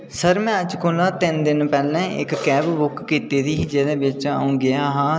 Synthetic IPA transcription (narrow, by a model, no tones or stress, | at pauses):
səɾmɛ̃ːəd͡ʒkʰoːlaːt̪ɪnd̪ɪnpɛːlɛ̃ːʔɪ̰kːɛːbbʊkːiːt̪eːd̪iːd͡ʒeːd̪eːbɪt͡ʃaːũːɡɪaːɦãː